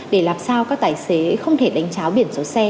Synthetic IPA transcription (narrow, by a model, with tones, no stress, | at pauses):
ɗe˧˩laː˨˩msaː˧wkaː˦˥k̚t̪aː˧˩jse˨˦xə˧wŋ͡mt̪ʰe˧˩ɗa˨˦jŋ̟t͡ɕaː˨˦wɓi˧˩ənso˨˦sɛ˧